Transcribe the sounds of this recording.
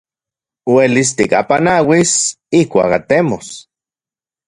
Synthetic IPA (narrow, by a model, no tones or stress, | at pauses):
welis̬t̪ika̰panawis | ihkʷa̰ka̰t̪emos